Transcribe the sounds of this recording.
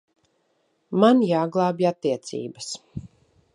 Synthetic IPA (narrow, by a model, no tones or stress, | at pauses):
manjaːɡlˠaːbat̪ːiɛt̪sḭːbəs